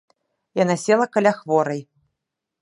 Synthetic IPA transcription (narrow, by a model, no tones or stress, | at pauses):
janasʲɛlˠɐkalʲaxvɔɾɐj